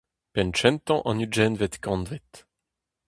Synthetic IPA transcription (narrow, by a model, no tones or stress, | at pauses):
pɛnt͡ʃɛ̃nt̪ɑ̃ʔɑ̃nyd͡ʒɛnvɛt̪kɑ̃nvɛt̪